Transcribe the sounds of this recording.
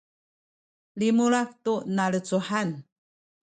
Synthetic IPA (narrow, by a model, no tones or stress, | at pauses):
limuɭak̚tunaɭət͡suħan